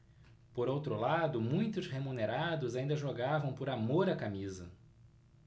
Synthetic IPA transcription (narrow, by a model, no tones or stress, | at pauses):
poɾowt̪ɾʊlad̪ʊmũj̃t̪ʊshemũneɾad̪ʊzaĩnd̪ɐʒoɡavɐ̃w̃poɾamoɾakamizɐ